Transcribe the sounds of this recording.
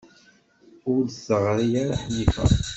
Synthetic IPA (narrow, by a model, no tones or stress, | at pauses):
ʊlsəʁɾijaɾaħnifæ̰